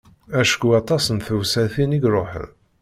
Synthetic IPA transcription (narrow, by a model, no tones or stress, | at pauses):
æʃkuɑt̪ˤɑsənθəwsæθiniɡɾˤoħə̰ð